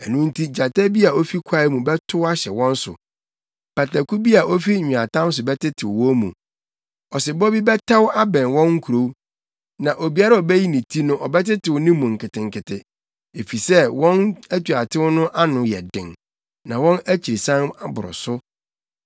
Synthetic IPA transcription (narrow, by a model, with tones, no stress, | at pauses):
ɛ˨nũ˦n̩˦tʰi˦d͡ʑa˨ta˦bi˦a˨o˦fi˦kʷʰa˦mũ˨bɛ˦tʰʊ˦wa˦ɕɛ˨wɔ̃˦n̩˦sʊ̰˨ | pa˨ta˨ku˦bi˦a˨ʔo˦fi˦˨ɲᶣɪ̃˨a˨tʰã˦n˦s̬ʊ˨bɛ˦tɪ˦tʰɪ˨wwɔ̃˦mṵ̃˨ | ɔ˨sɪ˨bɔ˦bi˦bɛ˦tʰa˦wa˦bɛ̃˨nwɔ̃˦ŋŋ̩˦kʰu˨o˨w | nã˨ʔo˨bi˨a˦ɾa˦ɔ˨bɛ˦ji˦nĩ˨tʰi˦nʊ̃˦ʔɔ˨bɛ˦tɪ˦tʰɪ˨wnɪ̃˦mũ˨ŋ̩˨kɪ˨tɪ̃˨ŋ̩˨kɪ˨tʰɪ˨ | e˨fi˨sɛ˦wɔ̃˦næ˦tu˨a˨tʰɪ˦wʊ˦nʊ̃˦ʔa˦nʊ̃˨jɛ̰˨dɪ̰̃˨ŋ | nã˨wɔ̃˦næ˦t͡ɕʰi˨ɾi˨sã˦na˦bʊ˨ɾʊ̰˨sʊ˦